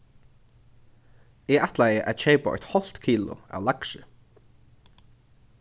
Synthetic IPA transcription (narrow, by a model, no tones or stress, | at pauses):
ɛɣaht̪lajəʔæðt͡ʃeːpɔ̰jt̪hɔl̥t̪kʰiːlʊ̰a̰wlaksɪ